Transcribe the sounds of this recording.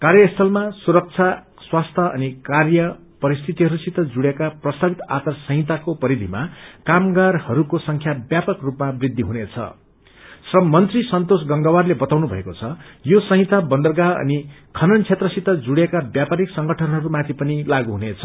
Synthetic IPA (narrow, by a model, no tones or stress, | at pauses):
kaɾjʌst̪ʰʌlmasuɾʌk̚t͡sʰa | swast̪ʰʌʔʌ̰nikarjʌ | pʌɾist̪ʰit̪iɦʌɾusit̪ʌd͡zuɽjekaprʌst̪ʰabit̪a̰t̪ʌrsʌ̃ɦĩt̪akopʌɾid̪ʱima̰kamɡarhʌɾukosʌŋkʰjabjapʌkrupmabrid̪ʱːiɦunet͡sʰʌ̰ | srʌmːʌnt̪risʌnt̪osɡʌŋɡawarlebʌt̪awnubʱʌ̰ekot͡sʰʌjosʌɦĩt̪abʌnd̪ʌrɡaʌ̰ni | kʰʌnʌnt͡sʰet̪rʌsit̪ːʌd͡zuɽjekabjapaɾiksʌŋɡʌʈʰʌnɦʌɾumãt̪ʰipʌnilaɡuɦunet͡sʰʌ̥